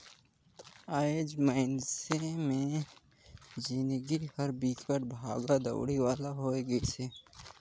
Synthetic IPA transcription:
aːed͡ʒmaɪnsemẽ | d͡ʒinɡihəɾbiːkʰəʈ̚bʱaːɡad̪ə̰wɽiwaːlaɦoːeɡəisʰeː

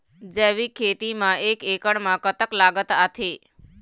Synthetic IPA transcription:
d͡ʒeʋikʰet̪imãʔekekəɽmãkət̪əklaɡət̪at̪ʰe

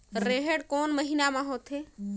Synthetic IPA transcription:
ɾeɦeɽkoːnməɦinamãɦoːt̪ʰɦe

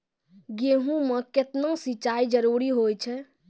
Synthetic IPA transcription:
ɡeɦũmẽket̪nosit͡ʃaid͡ʒəɾuɾiɦojt͡ʃʰɛ

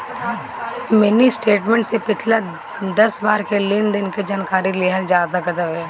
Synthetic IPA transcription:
mɛnisʈeːʈmẽɳʈsepɪt͡ʃʰla | d̪ɐsbaːɾkelɪnd̪ɪnked͡ʒaːnkaːɾileɦəld͡ʒaːzakɐd̪əbɦɛː

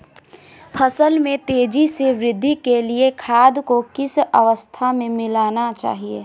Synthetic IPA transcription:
pʰəsəlmẽt̪eːd͡ʒiseʋɾɪd̪ʱːikeliekʰaːd̪kokɪsəʋəst̪ʰamẽmɪlaːnat͡ʃa̰ːɦieː

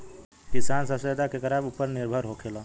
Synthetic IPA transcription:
kisansəsed̪akekəɾabupːəɾniɾbʱəɾɦokʰelə̃

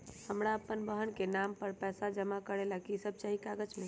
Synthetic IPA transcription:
həmɾaəpːənbəɦənkenampəɾpɛsad͡ʒəmakəɾelakisəb̚ʱt͡ʃaɦikaɡət͡ʃmẽ

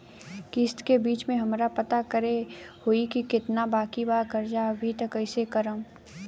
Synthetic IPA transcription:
kɪst̪kebiːt͡ʃmẽɦɐmɾapɐt̪akəɾehoikikɪt̪nabaːkibaːɾkɐɾd͡ʒabʱit̪ɐkɐɪsekɐɾə̃m

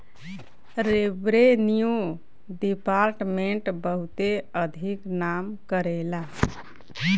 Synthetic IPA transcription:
ɾebɾeniju | ɖipaɾʈmeɳʈbəɦut̪eəd̪ʱiknamkəɾela

